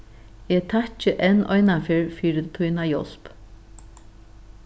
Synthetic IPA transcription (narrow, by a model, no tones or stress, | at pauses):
ɛt̪ʰat͡ʃɪʔɛnɔjnafɪɹfiːɾɪt̪ʰujnajɔ̰l̥p